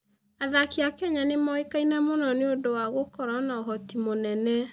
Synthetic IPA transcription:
aðakeakɛɲanemɔekainamonɔneodowaɣokɔɾanaɔɦɔtimonɛnɛ

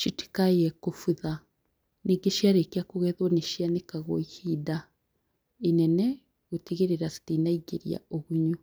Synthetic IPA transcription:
ʃiti̥kaiɛkofuða | niɡeʃiaɾekeakoɣɛðwɔneʃianekaɣoihida | enɛnɛ | ɣutiɣeɾeɾasi̥tinaiɡḛɾḭa̰oβuɲu

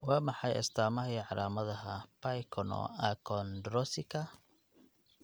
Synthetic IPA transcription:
wɑːmɑħɑjɛ̰st̪ʰaːmɐɦiːʕɑɾʔaːmɐðɐɦɐpʰajkʰɔnɔ̰akʰɔnd̪ɾɔsɪkʰɐ

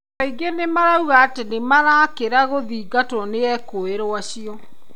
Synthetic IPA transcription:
aiɡenemaɾauɣaːtenemaɾaːkeɾaɣoðiːɡatwɔneɛkoeɾoaɕiɔ

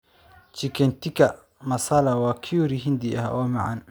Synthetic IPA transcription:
t͡ʃikentika | masalawakʰiuɾiɦind̪iɛ̰ha̰ʔɔmɛʕa̰n

